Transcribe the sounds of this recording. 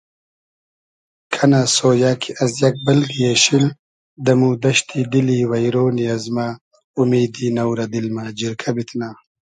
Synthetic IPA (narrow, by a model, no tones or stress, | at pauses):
kʰanasoːjaːkʰiɐzjɐk̚bɐlɡijeɕil | d̪ɐmuːd̪ɐɕt̪ʰid̪iliwɐjɾoːniɐzma | umeːd̪inɐwɾɐd̪ilmaːd͡ʑiɾkʰabit̪ʰnaː